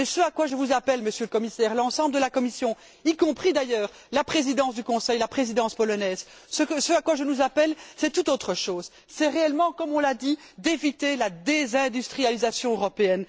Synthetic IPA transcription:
esøakwaʒəvuzapɛlməsjøləkɔmisɛːʁlɑ̃sɑ̃bləd̪əlakɔmisjɔ̃ | ikɔ̃pχid̪ajœːʁ | lapχezid̪ɑ̃sd̪ykɔ̃sɛjlapχezid̪ɑ̃spɔlɔnɛz | səkəsøakwaʒənuzapɛlsɛt̪ut̪ot̪χəʃoːz | sɛʁeɛlmɑ̃kɔmɔ̃lad̪i | d̪evit̪elad̪ezɛ̃d̪yst̪χijalizasjɔ̃øʁɔpeɛn

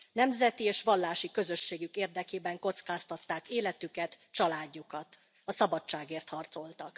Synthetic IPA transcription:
nɛmzɛt̪ieːʃʋɒlːaːʃikøzø̞ʃːeːɡykeːrd̪ɛkeːbɛŋko̞t̪skaːst̪ɒt̪ːaːkeːlɛt̪ykɛt̪ | t͡ʃɒlaːɟːukɒt̪ | ɒsɒbɒt͡ʃt͡ʃːaːɡeːrt̪hɒrt̪so̞lt̪ɒk

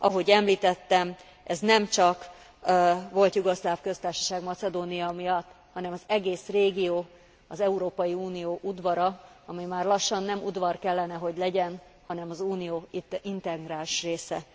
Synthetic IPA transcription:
ɒɦo̞ɟɛmliːt̪ɛt̪ːɛm | ʔɛznɛmt͡ʃɒk | ʋo̞lt̪juɡoslaːfkø̞st̪aːrʃɒ̥ʃaːɡmɒt̪sɛd̪oːnijɒmijɒt̪ː | hɒnɛmɒzɛɡeːsreːɡijoː | ɒzɛuɾoːpɒjiuːnijoːʔud̪ʋɒɾɒ | ɒmimaːrlɒʃːɒnːɛmṵd̪ʋɒrkɛlːɛnɛɦo̞ɟlɛɟɛn | hɒnɛmɒzuːnijoːint̪ɛɡraːlʃreːsɛ

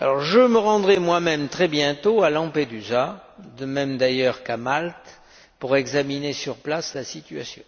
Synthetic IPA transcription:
alɔʁʒəməʁɑ̃d̪ʁɛmwamɛmt̪χɛbjɛ̃t̪oalɑ̃ped̪yzad̪əmɛmd̪ajœʁkamalt̪ | puʁɛɡzaminesyʁplaslasit̪yasjɔ̰̃

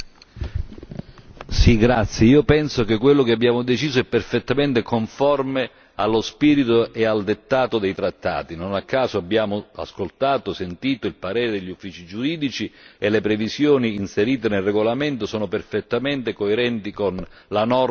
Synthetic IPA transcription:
siɡɾat̪sːjeiːopɛnsok̟ekːwelːok̟eabːjaːmod̪et͡ʃiːzoɛpːerfet̪ːament̪ekoɱfɔrme | alːospiːɾit̪oʔeald̪et̪ːaːt̪od̪ejt̪ɾat̪ːa̰ːt̪inonakːaːzoabːjaːmoa̰skolt̪aːt̪osent̪iːt̪oilpaɾeːɾed̪eʎːufːiːt͡ʃid͡ʒuɾiːd̪it͡ʃielːepɾevisjoːniːnseɾiːt̪̬enelreɡolament̪osɔːnoperfet̪ːament̪ekoeɾɛnt̪ikonlanɔr

